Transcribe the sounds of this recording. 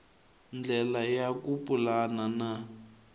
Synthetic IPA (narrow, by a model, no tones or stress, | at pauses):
nd͡ɮɛlajakupʼulanana